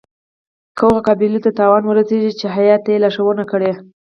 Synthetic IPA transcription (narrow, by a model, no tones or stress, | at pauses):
koɣokɑbilut̪at̪ɑwɑnwəɾəseʒit͡ʃeɦajɑt̪jelaʃawənakəɽe